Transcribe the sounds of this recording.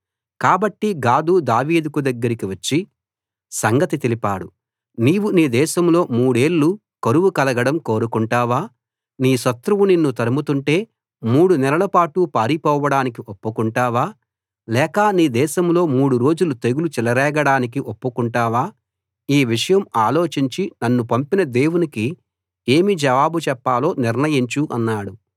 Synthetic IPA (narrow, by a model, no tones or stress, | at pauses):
kaːbɐʈːiɡaːd̪uːd̪aːʋiːd̪kud̪ɐɡːɐɾikiʋɐt͡ʃːi | sɐŋɡɐt̪it̪elipaːɽu | niːʋuniːd̪ɛːʃɐmlo̞ːmuːɽe̞ːɭːu | kɐɾuʋukɐlɐɡɐɽɐmko̞ːɾukuɳʈaːʋaː | niːsɐt̪ɾuʋuninːut̪ɐɾɐmut̪uɳʈe̞ː | muːɽunɛlɐlɐpaːʈupaːɾipɔːʋɐɽaːnikiʔopːukuɳʈaːʋaː | lɛːkɐniːd̪ɛːʃɐmlo̞ːmuːɽuɾo̞ːd͡ʒulut̪e̞ɡulut͡ʃɛlɐɾɛːɡɐɽaːnik̬iʔopːukuɳʈaːʋaː | iːʋiʂɐjɐmaːlo̞ːt͡ʃiɲt͡ʃinɐnːupɐmpinɐd̪e̞ːwuniki | eːmid͡ʒɐʋaːbut͡ʃɛpːaːlo̞ːniɾnɐjiɲt͡ʃuʔɐnːaːɽu